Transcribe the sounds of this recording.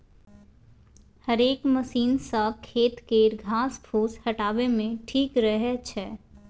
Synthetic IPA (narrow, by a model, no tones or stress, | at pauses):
həɾeːkməsiːnsakʰeːt̪keːɾɡʱaːspʰuːshɐʈaːʋemẽʈʰiːkɾɐɦɛt͡ʃʰɛː